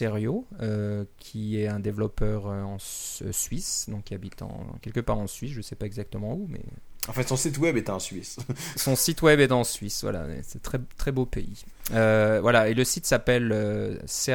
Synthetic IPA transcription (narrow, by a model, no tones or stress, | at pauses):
eʁjoøkʲʰiɛɛ̃d̪evlɔpœʁøɑ̃ssɥisd̪ɔ̃kʲiabit̪ɑ̰̃kʲɛlkəpaʁɑ̃sɥisʒəsɛpaɛɡzak̚t̪əmɑ̃umɛ̰ɑ̃fɛ̃sɔ̃sit̪wɛbɛt̪ɑ̃sɥissɔ̃sit̪wɛbɛt̪ɑ̃sɥisvwa̰la̰ɛ̰sɛt̪χɛt̪χɛbopei | øvwalaeləsit̪sapɛløse